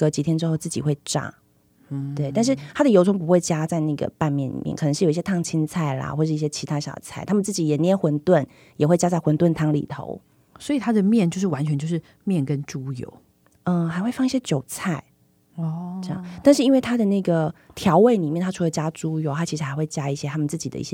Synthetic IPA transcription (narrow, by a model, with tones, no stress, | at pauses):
ɤ˧˥t͡ɕi˨˥t̪ʰjɛ˥nʈ͡ʂɻ̩˧˥xo˥˧ʊt͡sɹ̩˥˩t͡ɕḭ˨˩xwe˥˧ɪʈ͡ʂa̰˥˩ | t̪we˥˩ɪt̪a˥˧nʂɻ̩˥˩t̪ʰa˥d̪ə˨jo˧˥ʊt͡sʰʊ˥ŋp̬u˧˥xwe˥˩ɪt͡ɕja˥t͡sa˥˧ɪna˥˩ɡə̰˩pa˥˧nmjɛ˥˩nlḭ˨˩mjɛ̰˥˩nk̪ʰɤ˧˦ʂ̩˥˩o˨˩i˩ɕjɛ˥t̪ʰɑ˥˩ŋt͡ɕʰi˥nt͡sʰa˥˩ɪlɐ̰˩xwɔ˥˩ʂ̩˥˧i˥˩ɕjɛ˥t͡ɕʰi˧˥a˥ɕjɑ˨˩ʊt͡sʰa˥˩ɪt̪ʰa˥mə˨nt͡sɹ̩˥˩t͡ɕi˨˩jɛ˨˩n˧ɛ˥nxwə˧˥nt̪wə˥˩n | jɛ˨˩xwe˥˩ɪt͡ɕja˦˥t͡sa˥˩xwə˧˥nt̪wə˥˩nt̪ʰɑ˥ŋlḭ˨˩t̪ʰo̰˧˦ʊ | swɔ˧˥i˨˩t̪ʰa˥d̪ə˨mjɛ˥˨nt͡ɕjo˥˧ʊʂɻ̩˥˩wa˧˦nt͡ɕʰɥɛ˧˦nt͡ɕjo˥˧ʊʂɻ̩˥˩ | mjɛ˥˨nkə˦nʈ͡ʂu˥jo̰˧˦ʊ | ə˥˧xa˧˥ɪxwe˥˧ɪfɑ˥˧ŋi˥ɕjɛ˥t͡ɕjo˨˩ʊt͡sʰa˥˩ɪ˧˩ | ʈ͡ʂə˥˧jɑ̰˥˨ŋt̪a˥˧nʂɻ̩˥˩i˥nwe˥˩ɪt̪ʰa˥d̪ə˨na˥˩ɡə˩t̪ʰjɑ˧˥ʊwe˥˩ɪni˨˩mjɛ˥˩nt̪ʰa˥ʈ͡ʂʰu˥we˥˩t͡ɕja˦˥ʈ͡ʂu˥jo˧˥ʊa˦˥t͡ɕʰi˧˥ʂɻ̩˧˥xa˧˥ɪwe˥˩ɪt͡ɕja˥i˥˩ɕjɛ˦˥a˥mə˨t͡sɹ̩˥˩t͡ɕi˨d̪ə̰˦ḭ˥˩ɕjɛ˥